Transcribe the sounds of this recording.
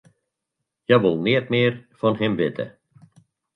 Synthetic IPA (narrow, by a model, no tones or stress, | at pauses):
jaʋɔlˠneːt̪meːɾfɔnhɪmvɪt̪ʰə̰